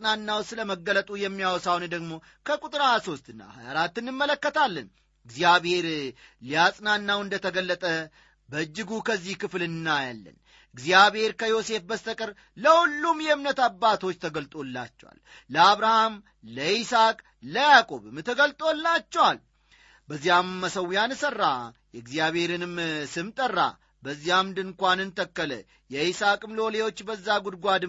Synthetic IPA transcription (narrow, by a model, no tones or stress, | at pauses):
sʼnanːawsɨləməɡːələt̪ʼujɛmːijawɔsawnd̪əɡmo̞ | kʰəkʼut̪ʼɨɾajaso̞st̪ɨnːa̰hajaɾat̪ːɨnɨmːələkːət̪ʰalːən | ɨɡzijaβhe̞ɾlijasʼnanːawɨnd̪ət̪ʰəɡəlːət̪ʼə | bəd͡ʒːɪɡukʰəzːihkʰɨflɨnːajalːə̰n | ɨɡzijaβhe̞ɾkʰəjo̞se̞fbəst̪ʰəkʼəɾ | ləhulːumjɛɨmnət̪abːat̪ʰo̞t͡ʃːt̪ʰəɡəlt̪ʼo̞lːa̰t͡ʃːɛ̰wa̰l | ləaβɾaham | ləisakʼ | ləjakʼo̞̰βɨmt̪ʰəɡəlt̪ʼo̞lːat͡ʃːɛwal | bəzːijamːəsəwjansərːajɛɨɡzjaβhe̞ɾɨnɨmsɨmt̪ʼərːa̰ | bəzːijamd̪ɨŋkʷanɨnt̪ʰəkːələ̰ | jɛisakʼɨmloolewo̞t͡ʃːbəzːaɡud̪̚ɡʷad̪ɨ